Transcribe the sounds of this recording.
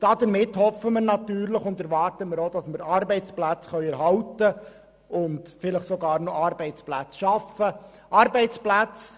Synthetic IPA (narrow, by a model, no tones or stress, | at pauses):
d̥ɑd̪əɾmɪthɔfəməɾnɑt̪yːɾləχʊndæɾʋɑːrtəməɾod̥ɑsməɾɑɾbɛɪt͡splæt͡sχœʏɛɾɦɑwtə | ʊndfɪləχsoɡɑːɾnɔɑɾbɛɪt͡splæt͡sʃɑfə | ʔɑɾbɛɪt͡splæt͡s